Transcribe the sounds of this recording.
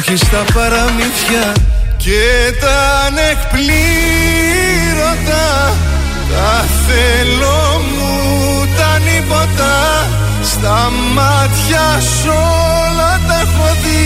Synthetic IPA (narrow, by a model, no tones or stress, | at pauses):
çist̪ɐpɐɾɐmiθçɐcet̪ɐnekpli | ɾo̞nd̪ɐ | k̪ɐ | θe | lo | mu | t̪ɐnipo̞t̪ɐ | st̪ɐ | mɐ | t̪çɐ | s | o | lɐt̪ɐxoði